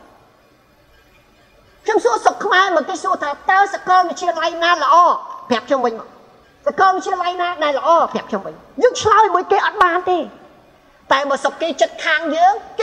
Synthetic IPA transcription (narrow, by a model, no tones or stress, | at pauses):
kʰɲomsuəsokʰːmaɛmɔnk̪eːsuət̪ʰaːt̪aəsakɑlʋɨc̚t͡ɕʰiəlajnaːlə̆ʔɑːpʰĕap̚kʰɲomʋɨɲmɔŋ | sakɑlʋɨt̚t͡ɕʰiəlajnaːɗaɛlːə̆ʔɑːpʰĕaəp̚kʰɲomʋɨɲ | juk̚t͡ɕʰlaəmuəjkeːʔɑt̪̚ɓaːnt̪eː | t̪aɛɓɑːsokːeːt͡ɕət̪̚kʰaːŋjəːŋk